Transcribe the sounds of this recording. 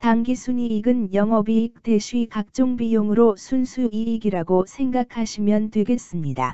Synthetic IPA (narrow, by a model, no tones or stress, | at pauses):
taŋɡisʰuɲiːɡɯnjʌŋɦʌbiːk̚te̞ɕʰuikak̚t͡ɕ͈oŋbijoŋɯɾosʰunsʰuiːɡiɾaɡosʰe̞ŋɡakʰaɕʰimjʌntwe̞ɡe̞s͈ɯmɲida̰